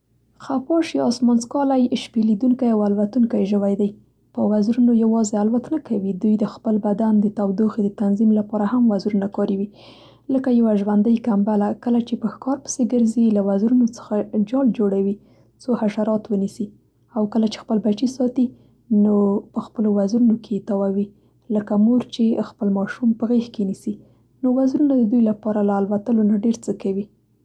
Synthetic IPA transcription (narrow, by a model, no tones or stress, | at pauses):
xafɑʃiɑsmɑnskɑlajʃpelid̪uŋkajawalwat̪uŋkajʒəwajd̪aj | pəwazɾunojawɑzealwat̪nakawid̪ujd̪əxpəlbad̪and̪ət̪awd̪oxed̪ət̪anzimlapɑɾahamwazɾunakɑɾiwi | ləkajawaʒwand̪əjkambalakəlat͡ʃepəxkɑɾpə̥seɡəɾzilawazɾunot͡sə̥xad͡ʒɑld͡ʒoɽawi | t͡sohaʃaɾɑt̪wənisi | awkəlat͡ʃe̥xpəlbat͡ʃisɑt̪i | nopəxpəlowazɾunoket̪awawi | ləkamuɾt͡ʃexpəlmɑʃumpəɣexkenisi | nowazɾunad̪əd̪ujlapɑɾalaːlwat̪əlonaɖeɾt͡səkawi